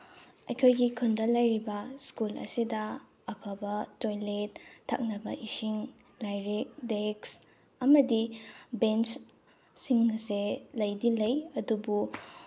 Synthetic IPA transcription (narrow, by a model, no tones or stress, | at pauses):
ɐjkʰojɡikʰundɐlɐjɾibɐskulɐ̰sidɐ | ɐpʰɐbɐtojletʰːɐ̰k̚nɐbɐ̰ʔisiŋ | lajɾek̚deks | ɐmɐdibent͡ʃ | siŋnɐselɐjdilɐjɐdubu